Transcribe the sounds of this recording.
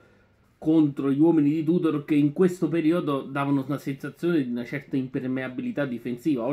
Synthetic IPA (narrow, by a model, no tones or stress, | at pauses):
kont̪ɾoʎiwɔːminid̪it̪̬ud̪oɾk̟eiŋkwest̪opeɾiːod̪od̪aːvanounasensat̪sːjoːned̪iunat͡ʃɛrt̪aimpermeabilit̪ad̪ːifensiːvaɔ